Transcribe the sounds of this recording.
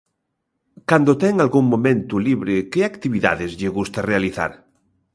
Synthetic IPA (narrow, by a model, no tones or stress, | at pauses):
kand̪ot̪ɛŋalɣuŋmõmẽnt̪uliβɾɪkeakt̪iβiða̰ðɪzʎɪɣust̪arealiθa̰ɾ